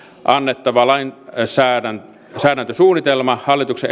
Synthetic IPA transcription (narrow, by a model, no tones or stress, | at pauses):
ʔɑnːet̪ːɑʋɑlɑinsæːæn | sæːɾænt̪øsuːnit̪elmɑhɑlːit̪ukse